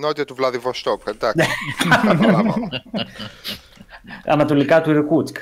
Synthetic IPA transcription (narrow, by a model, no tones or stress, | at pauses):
not̪it̪ɐt̪uvlɐðivost̪opend̪ɐ | ɐ̰nɐt̪o̞likɐt̪uiɾkut̪k